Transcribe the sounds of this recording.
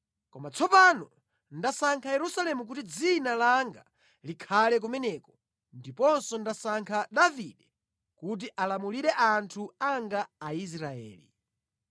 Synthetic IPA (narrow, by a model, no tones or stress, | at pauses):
kɔmat͡sʰɔpanɔ | ndasaŋkʰajɛɾusalɛmuk̬utid͡zinalaŋɡa | likʰalɛk̬umɛnɛkɔ̥ | ndipɔnsɔndasaŋkʰaɗaviɗɛ | kut̬iʔalamuliɾɛʔantʰuaŋɡaːis̬ɾaɛ̰ːlḭ